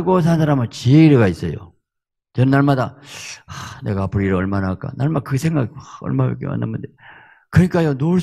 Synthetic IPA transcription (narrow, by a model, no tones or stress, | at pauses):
ɡos̬ʰansʰaɾamɯɭt͡ɕieiɾɯɡais͈ʌjo̰ | t͡ɕʌnɯnːaɭmadaane̞ɡaːpʰɯɾiɾɯʌɭmanak͈a̰naɭmakɯsʰe̞ŋɡaɡʌ̰ɭmabḛk͈jema̰nːa̰mund̪e | kɯɲik͈ajonoɭɕ